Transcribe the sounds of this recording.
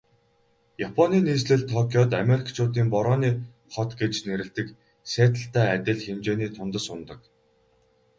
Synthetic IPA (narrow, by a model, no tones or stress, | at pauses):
japʰɔniːniːsɮɘ̆ɮt̪ʰːɔkʲʰijɔt̪ameɾʲikʰt͡ɕʰʊːt̪̬iːmpɔɾɔːniː | χɔt̪ɡet͡ɕneɾɘ̆ɬt̪ɘ̆k | sæːt̪ə̆ɬt̪æːæt̪ʲɪ̆ɮxemt͡ɕeːniːt̪ʰʊnt̪ə̆sʊnt̪ɞ̆k